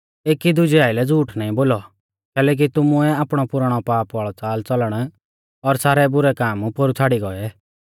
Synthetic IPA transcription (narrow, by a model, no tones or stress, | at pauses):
eːkid̪ʊd͡ʒiaːɪlɛd͡zuːʈnaːĩboːlɔ | kɛːlɛːk̬it̪ʊmʊɛaːpɽ̃ɔpʊɾəɽ̃ɔpaːpʋaːɭɔt͡saːlt͡sɔləɽ̃ | ɔɾsaːɾɛbʊɾɛkaːmpoɾut͡sʰaːɽiɡɔɛ